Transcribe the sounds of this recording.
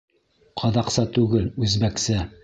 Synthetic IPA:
qʰɑðɑqsɑt̪ʉɡɘlʉzbæksɘ

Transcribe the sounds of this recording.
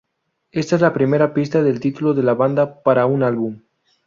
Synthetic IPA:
e̞st̪aezlapɾimeɾapist̪aðe̞lt̪it̪uloðe̞laβand̪apaɾaunalβum

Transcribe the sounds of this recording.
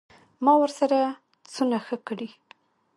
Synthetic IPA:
mɑwəɾsaɾa | t͡sunaxəkəɽi

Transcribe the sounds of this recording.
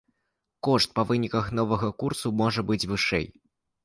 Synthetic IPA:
kɔʂt̪̚pɐvɨnʲikɐxn̪ɔvɐɣɐkursumɔʐɐbɨd͡zʲvɨʂɛ̰j

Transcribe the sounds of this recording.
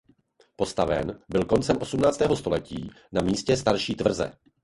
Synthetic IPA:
po̞st̪avɛ̰nbɪlko̞nt͡sɛmʔo̞sumnaːt͡st̪ɛːɦo̞st̪o̞lɛciː | namiːscɛst̪aɾʃiːt̪vr̩zɛ̰

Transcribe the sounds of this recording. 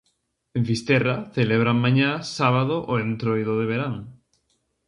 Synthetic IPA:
eɱfist̪ɛraθeleβ̞ɾaŋmãɲasaβaðoʔoẽnt̪ɾojðoðeβeɾaŋ

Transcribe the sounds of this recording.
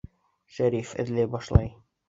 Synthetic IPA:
ʃæɾifɘ̰̆ðlæjbɒʃlˠɑj

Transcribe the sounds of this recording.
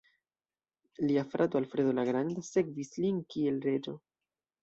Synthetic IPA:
liafɾʔat̪oalfɾedolaɡɾand̪ase̞kvislinkie̞lɾe̞d͡ʒo̞

